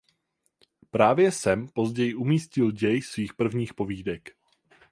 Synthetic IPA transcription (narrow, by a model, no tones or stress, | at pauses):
pɾaːvjɛsɛmpo̞zɟɛjɪʔumiːscɪlɟɛjsviːxpr̩vɲiːxpoviːdɛk